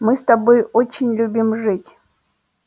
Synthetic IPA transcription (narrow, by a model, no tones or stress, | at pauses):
mɨst̪ɐbo̞jot͡ɕːɪnʲlʲubʲimʐɨtʲ